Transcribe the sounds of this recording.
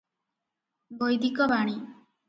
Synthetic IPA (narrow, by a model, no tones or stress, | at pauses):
bojd̪ikɔbaɽ̃i